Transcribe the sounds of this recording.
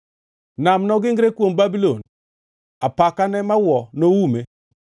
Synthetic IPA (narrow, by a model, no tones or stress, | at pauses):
namnɔɡɪŋɡɾekwombabilon | apakanɛmawɔnowume